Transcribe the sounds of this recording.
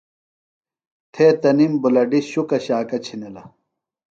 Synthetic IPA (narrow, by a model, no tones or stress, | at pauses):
t̪ʰeːt̪ɐnimbulɐɖiɕukɐɕaːkɐt͡ɕʰinilɐ